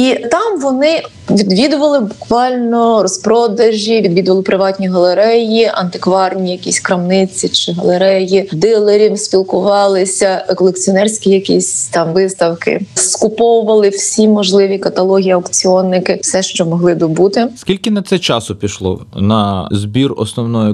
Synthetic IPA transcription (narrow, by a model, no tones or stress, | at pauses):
it̪ɑmʋɔnɪ | ʋʲid̪ʋʲid̪ʊʋɐlˠɪbʊkʋɑlʲnɔrɔspɾɔd̪ɐʒʲiʋʲid̪ʋʲid̪ʊʋɐlˠɪpɾɪʋɑtʲnʲiɦɐlˠeɾɛjiʔɐ̰nt̪ɪkʋɑrnʲijɐkʲisʲkɾɐmnɪt͡sʲit͡ʃɪɦɐ̰lˠeɾɛjid̪ɪlˠɐɾʲiwsʲpʲilˠkʊʋɑlˠɪsʲɐkɔlˠekt͡sʲiɔnɛrsʲkʲijɐkʲisʲt̪ɑmʋɪst̪ɐwkɪ̰skʊpɔwʊʋɐlˠɪw̥sʲimɔʒlˠɪʋʲikɐt̪ɐlˠɔɦʲijɐwkt͡sʲiɔnːɪkɪsɛʃt͡ʃɔmɔɦlˠɪd̪ɔbut̪ɪskʲilʲkɪnɐt̪sɛt͡ʃɑsʊpʲiʃlˠɔ̰nɐzbʲirɔ̰snɔwnɔjɔ